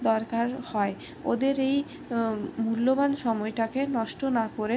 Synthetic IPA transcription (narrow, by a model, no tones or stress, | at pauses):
d̪ɔɾkaɾhɔe | od̪eɾej | mulːobanʃɔmɔejʈakenɔʃʈonakoɾe